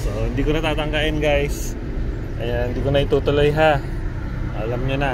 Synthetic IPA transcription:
soʔhɪnd̪ikonɐt̪aːt̪aŋɡaʔɪnɡajs | ajahind̪ikonaɪt̪ut̪olojɦa | alɐmɲona

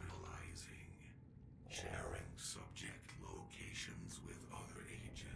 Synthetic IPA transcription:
nəlaɪzɪ̃ŋ | ʃɛɹɪ̃ŋsʌb̚d͡ʒɨk̚tʰˡloʊkʰeɪʃɨ̃nzwɪðʌðə̰˞ʔeɪd͡ʒɨ

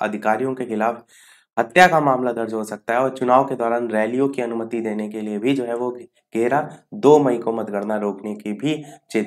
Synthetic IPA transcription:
ɐ̰d̪ʱɪkaːɾijõkexɪlaːf | ɦɐt̪jakamaːmlad̪ɐɾd͡ʒɦosɐk̚t̪aɦɛɔːɾt͡ʃʊnaːʋked̪ɔːɾaːnɾɛːlijõkiɐnʊmət̪id̪eːnek̬eliebʱid͡ʒoːɦɛʋo | ɡ̥eːɾad̪oːmɐĩkomɐt̪ɡəɽnaɾoːknekibʱit͡ʃeːt̪

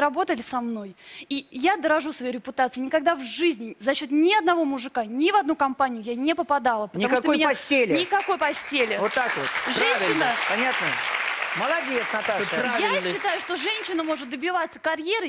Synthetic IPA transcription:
ɾɐbo̞t̪əlʲɪsɐmno̞jijad̪əɾɐʐusvɐjeɾʲɪpʊt̪at̪sɨɪnʲɪkɐɡ̚d̪avʐɨzʲnʲɪzɐɕːo̞t̪nʲɪɐd̪̚nɐvo̞mʊʐɨkanʲɪvɐd̪nukɐmpanʲɪjʊjanʲepəpɐd̪alˠəpənʲɐmaʂk̪t̪oojnʲɐsʲtʲelʲnʲɪkɐko̞jpɐsʲtʲelʲɪvot̪ːakvot̪ʐɛnɕːɪnəpɐnʲat̪nəməlˠɐd̪ʲijɛt̪nɐt̪ajaɪɕːɪt̪ajʊʂt̪o̞ʐɛnʲɕːɪnəmo̞ʐɨt̪̚d̪əbʲɪvat̪sːə̥kɐɾʲjeɾɨ

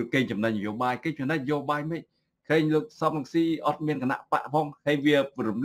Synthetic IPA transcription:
keːɲt͡ɕɑmnac̚nəjoːɓaːjkeːɲt͡ɕɑmnəc̚njoːɓaːjməc̚ | kʰəːɲləːk̚sɑmraŋsiːʔɑt̪̚miənkana̰ʔpa̰ʔpʰɑːŋhəːjʋiəpruml

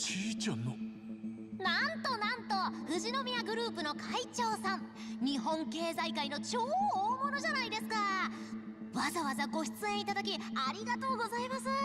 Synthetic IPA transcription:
t͡ɕiːt͡ɕanːo | nãnt̪o̞nãnt̪o̞ɸɯ̟ʑino̞mʲiaɡɯ̟ɾɯ̟ːpɯ̟nokʰait͡ɕo̞ːsãŋ | ɲ̟iɦõ̞ŋke̞ːzaikaino̞t͡ɕo̞ːmo̞no̞ʑanaid̪e̞sɨ̥ka | βazaβazaɡo̞ɕi̥t͡sɨẽit̪ad̪ak̬ʲiaɾʲiɡat̪o̞ːɡo̞zaimasɨ

